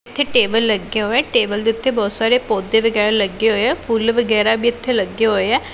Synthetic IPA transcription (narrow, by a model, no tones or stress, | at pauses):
t̪ʰːeːʈeːbəlːəɡːeɦoːɛ̃ːʈeːbəld̪eːʊt̪ʰːebɔːt̪saːɾeːpoːd̪eːʋəɡɛːɾaːləɡːeɦoːeɛːpʰuːlʋəɡɛːɾaːbiːɪt̪ʰːeːləɡːeɦoːeɛː